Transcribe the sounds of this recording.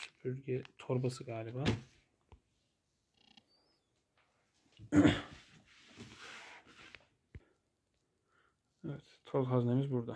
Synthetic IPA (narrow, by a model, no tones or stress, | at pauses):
bylʲɟɛt̪ʰoɾbasɯɡaːlʲibaː | ɛvɛt̪ʰːolˠɦaznemizbuɾd̪a